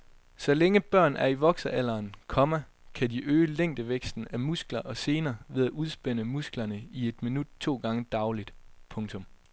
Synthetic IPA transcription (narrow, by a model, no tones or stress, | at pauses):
sɒ̽leŋəb̥ɶɐ̰næɐiʋɒ̽ɡ̥sɐʔæl̰ɐːnkʰɒ̽mæ | kʰæd̥iʔøːəleŋ̰d̥əʋeɡ̥sd̥n̩æmusɡ̥lɐʔɒ̽se̝ːnɐːʋe̝ð̞ˠæʔuð̞ˠsb̥en̰əmusɡ̥lɐnəie̝d̥minud̥̚t͡sʰo̝̰ːɡ̥ɑ̈ŋəd̥ɑ̈ʊlid̥pʰɔ̽ŋt͡sʰɔ̽m